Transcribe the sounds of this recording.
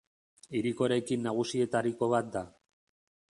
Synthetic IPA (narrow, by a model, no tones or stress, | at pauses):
iɾiko̞ɾe̞kinːaɣ̞usie̞t̪aɾiko̞β̞at̪̚d̪a